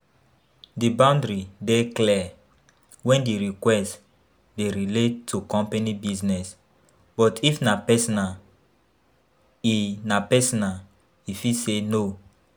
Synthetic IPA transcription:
dibãʊ̃ndɾideklɛ | wɛ̃ndiɹikwɛst | deɹiletʰːukɔ̃mpanibiznɛs | bɔtʰifnapɛsɔna | inapɛsɔnal | ifiseno

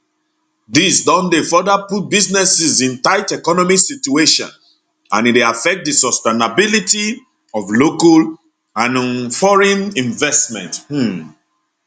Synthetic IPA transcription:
disdɔ̃ndefɔdaput̚biznɛsizĩntaɪtɛkɔnɔmiksitueʃɔ̰̃n | ãnieafɛk̚t̚disɔstenabiliti | ɔvlokal | ãñnfɔɹɛ̃nĩɱvɛstmɛ̰̃nth̩

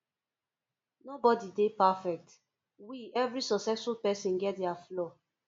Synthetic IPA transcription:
nobɔdidepafɛk̚t | wiɛvɾisɔksɛsfulpɛsĩnɡɛt̚dɛaflɔ

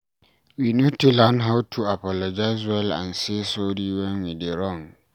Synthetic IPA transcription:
winũtʰulãnɦawtʰuapʰɔlɔd͡ʒaɪzwɛlã̰nsesodiwɛ̃nwideɾɔ̃ŋ

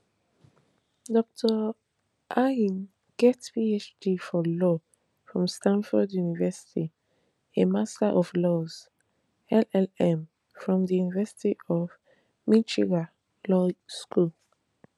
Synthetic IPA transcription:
dɔk̚tʰə | ʔaĩn | ɡ̥ɛtpiet͡ʃdifɔlɔ | fɹɔ̃mstãnfɔdjunivɛsi̥tʰi | emastaʔɔflɔz̥ | ɛlɛlɛ̃m | fɹɔ̃mðijunivɛsi̥tiʔɔv | mĩnt͡ʃiɡa | lɔskul

